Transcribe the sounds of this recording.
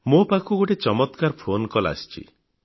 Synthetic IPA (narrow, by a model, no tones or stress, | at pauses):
mopakʰuɡoʈet͡ʃɔmɔt̪kaɾpʰonkɔla̰st͡ʃʰḭ